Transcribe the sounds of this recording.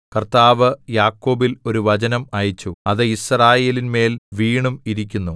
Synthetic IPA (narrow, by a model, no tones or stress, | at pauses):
kɐrt̪aːʋɨjaːkːo̞ːbilo̞ɾuʋɐd͡ʑɐnɐmɐjit͡ɕːuɐðɨisraːje̞ːlinme̞ːlʋiːɳumiɾik̬ʲːunːu